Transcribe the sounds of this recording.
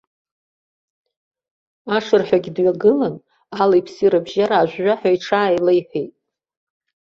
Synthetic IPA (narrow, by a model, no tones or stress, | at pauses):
aʂɨrħʷᶣaɡʲdɥaɡɨlan | alajpʰsiɾabʒaɾaːʒᶣʷːaħaiʈ͡ʂʰaːjlejħʷᶣejtʼ